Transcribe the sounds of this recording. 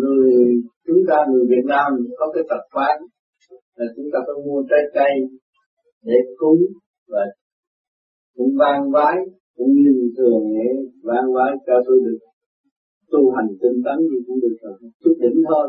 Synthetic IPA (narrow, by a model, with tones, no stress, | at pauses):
ŋɨ˨˩əjt͡ɕʊ˨˦ŋ͡mt̪aː˧ŋɨ˨˩əjvi˨˩ət̚naː˧mkɔ˨˦kaː˨˦jt̪ə˨˩k̚faː˨˦˥n | laː˨˩t͡ɕʊ˨˦ŋ͡mt̪aː˧kə˧˦mu˧ət͡ɕə˨˧˦jt͡ɕa˧j | ɗe˧˩kʊ˨˦ŋ͡m | vaː˨˩ | kʊ̰˧˥˦ŋ͡mvaː˧ŋvaː˨˦j | kʊ̰˧˥˦ŋ͡mli˧˩ŋt̪ɨ˨˩əŋɗe˧˩vaː˧ŋvaː˨˦j̪aː˧t̪o˧ɗɨ˨˩ək̚ | t̪u˧˩ɦa˨˩jŋ̟t̪i˧ŋt̪a˨˦nt̪i˨˩kʊ̰˧˦ŋ͡mɗɨ˨˩ək̚la˨˩˨t͡ɕʊ˦˥k̚ɗḭ˧˦ŋ̟t̪ʰo˧